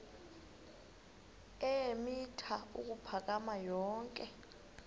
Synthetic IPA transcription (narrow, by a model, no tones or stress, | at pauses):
ɛemitʰauk̬ʼupʰak̬ʼamajɔːŋkʼɛ